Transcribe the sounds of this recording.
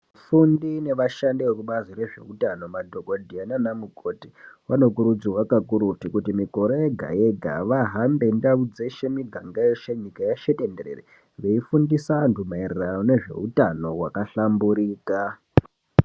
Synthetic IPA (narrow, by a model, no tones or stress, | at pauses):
fundine̞ʋaʃandiwekuɓazire̞ʐe̞̰utano̞madʱo̞kodʱiananamuko̞ti̥wano̞kuɾud͡ziwakakuɾutikutimiko̞ɾojeɡʱa̰jeɡʱa̰ʋaɦambe̞ndaud͡ze̞ʃemiɡʱaŋɡaeʃeɲikajaʃetendeɾḛre | ʋeifundisantumairerano̞ne̞ʐe̞̰utano̞wakaɬambuɾiːka